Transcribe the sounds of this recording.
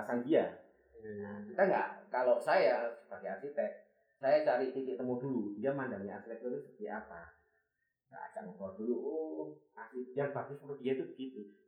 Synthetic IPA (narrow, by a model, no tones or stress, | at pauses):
asandia | nakit̪aŋɡa̰ʔkalosajasə̥b̥aɡajasit̪ɛk̚ | sajat͡ʃaɾiʔt̪ikɪʔt̪əmɔdulundiamandaŋɲaa̰sit̪ɛk̚t̪uɾsəpət̪iʔapa | ŋɡa̰ʔa̰d͡ʒa̰ʔmətɔad̥uluʔ | asijaŋbakɪsuɾʊdiat̪ubəɡ̥it̪u